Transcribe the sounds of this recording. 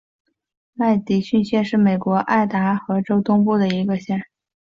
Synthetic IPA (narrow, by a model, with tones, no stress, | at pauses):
ma˥˩ɪt̪i˨˩ɕy˥˧nɕjɛ˥˧nʂɻ̩˥˩me˨˩ɪkwɔ˧˥ʔa˥˩ɪt̪a˧˥xɤ˧˥ʈ͡ʂo˥ʊt̪ʊ˥ŋpu˥˩d̪ə˩i˧˥ɡə˧ɕjɛ˥˩n